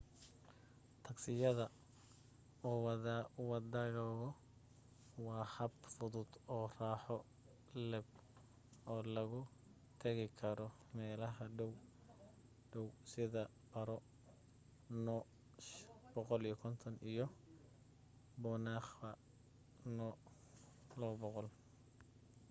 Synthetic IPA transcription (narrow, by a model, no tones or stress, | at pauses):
t̪ʰɐɡsɪjɐðɐ | ɔːwwɑd̪ɐɣɔɣɔ | wɑːhɐbfʊðʊd̪ɔːraːħɔ | lɛb̚ | ɔːlɐɣʊ | t̪ʰɐɣɪkʰɐɾɔ | mɛːlɐɦɐɖɔw | ɖɔwsɪðɐ | b̥ɐɾɔ | nɔ | b̥ɔqɔlijɔkʰɔnt̪ʰɔnijɔ | bɔːnaːχɐ | nɔ | lɔbɔqɔl